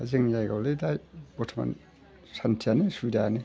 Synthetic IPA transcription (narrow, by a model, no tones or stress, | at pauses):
azeŋjajɡawledajbɔtʰama̰n | santʰianesudaane